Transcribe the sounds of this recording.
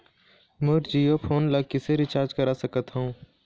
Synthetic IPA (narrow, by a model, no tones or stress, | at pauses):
mʊɾd͡ʒiːjopʰoːnləkiseɾɪt͡ʃaːɾd͡ʒkɐɾasəkət̪ɦɐũː